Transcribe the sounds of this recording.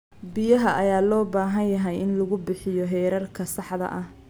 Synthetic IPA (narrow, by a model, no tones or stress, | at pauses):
bɪjɐɦɐʔɐjaːlɔːbaːɦɐnjɐɦɛjʔɪnlɐɣʊbɪħɪjɔɦɛːɾɐrkʰɐsɑħðɐ̰ʔɐh